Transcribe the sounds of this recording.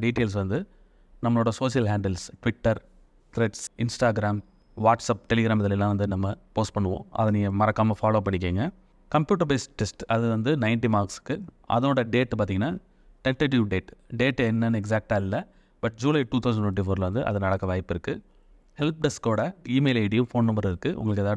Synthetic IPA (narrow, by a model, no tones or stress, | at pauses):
ɖiːʈeːlsʋɐnd̪ɯ | nɐmːɐɭoːɽɐsoːsɪjɐlɦaːɳɖɐlsʈʋɪʈːɐɾ | t̪ɾɛʈsɪnsʈaːɡɪɾaːm | ʋaːʈsɐːp̚ʈɛlɪɡɪɾaːmɐðɪlɛlːãːʋɐnd̪ɯnɐmːɐpoːsʈ̚pɐɳːɯʋõ̰ːʔɐ̰ðɐnɪŋjɐmɐɾɐkːaːmɐfaːloːpɐɳːɪk̬ːeːŋɡɐ | kɐmpjuːʈ̬ɐɾbeːsʈɛsʈɐðɯʋɐnd̪ɯnɐɪɳʈimaːɾksɯ̥kːɯ | ʔɐ̰ðoːɽɐɖeːʈːpaːɾt̪iːŋɐnːaː | ʈɛɳʈɐʈ̬ɪʋɖeːʈɖeːʈːɛnːɐnːɯɛksaːk̚ʈaːɪlːɐ | bɐʈ̚ːd͡ʒuːlɐɪʈuːt̪ʰɐʊsɐɳɖʈt̪wɛ̃ʈifoːɾɪlɐʋɐnd̪ɯʔɐ̰ðɐnɐɽɐkːɐʋɐːjɪpːɪɾɯkːɯ | hɛlp̚ɖɛskoːɽɐiːmeːlɐɪɖɪjʊ̃foːnnɐmbɐɾɪɾɯkːɯʔʊ̰ŋɡɐɭɯkːɛðaː